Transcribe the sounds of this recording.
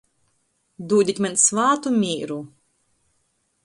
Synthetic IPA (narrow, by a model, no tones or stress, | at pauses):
d̪uːd̪ʲic̪ʲmʲɛnsvaːt̪umʲiːɾu